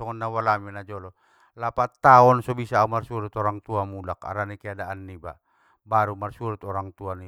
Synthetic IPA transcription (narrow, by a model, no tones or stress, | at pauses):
ɔŋɔnːawalaminad͡ʒɔlɔ | lapat̪ːaɔnsɔbisaːumarsuɾut̪ɔɾaŋt̪uamulaka̰ɾanikiadaʔanːiba̰ | baɾumarsuɾut̪ɔɾaŋt̪uani